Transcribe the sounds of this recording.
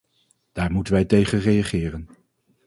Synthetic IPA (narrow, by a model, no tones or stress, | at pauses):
d̥aːɹmutənʋɛjtejχənrejaχɪːrən